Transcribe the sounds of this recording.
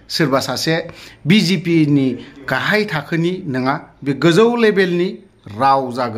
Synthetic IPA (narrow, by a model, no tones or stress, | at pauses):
sɯɾbasasebizipiniɡ̥aɦajtʰakʰɯninɯŋabiɡɯzəwlebelni | ɾawzaɡɯ